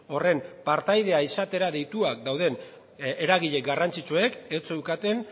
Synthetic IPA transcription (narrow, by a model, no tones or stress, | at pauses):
o̞re̞mpaɾt̪ajð̞e̞aisat̪e̞ɾaðe̞jt̪uak̚d̪awðe̞n | eɾaɣiʎe̞kɡarant͡sit͡ʃueket͡soewkat̪e̞n